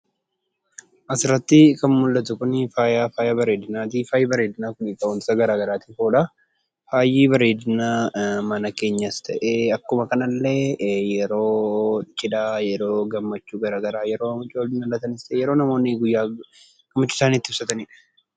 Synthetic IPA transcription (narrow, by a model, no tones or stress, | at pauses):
ʔɐsɪrːɐt̪ːɪkɐnmʊlːɐt̪ʊkʊnfaːjaːfaːjɐbɐɾe̞ːd̪ɪnaːt̪̬iːfaːjiːbɐɾeːd̪ɪnaːkʊniːkɐɔnɪsɐɡɐɾaːɡɐɾaːt̪iːfoːᶑa | faːjiːbɐɾe̞ːd̪ɪnaːmɐnɐkeːɲːɐst̪ʰɐʔeɐkːʊmɐkɐnɐlːejɛɾo̞ːt͡ʃʼːɪᶑaːjɛɾo̞ːɡɐmːɐt͡ʃːuːɡɐɾaːɡɐɾaːjɛɾo̞ːʊt͡ʃʼoːlɪnɐlːɐt̪ɐnɪst̪ɐeːjɛɾo̞ːnɐmo̞ːnːɪɡʊjːaː | ɡ̥ɐmːɐt͡ʃːuːsaːniːt̪ːɪɪfsɐt̪ɐnɪᶑɐ̥